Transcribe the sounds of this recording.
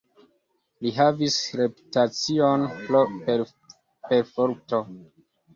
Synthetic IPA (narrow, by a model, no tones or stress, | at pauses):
liɦavisɾe̞pu̥tat͡sionpope | pe̞ɾfoɾto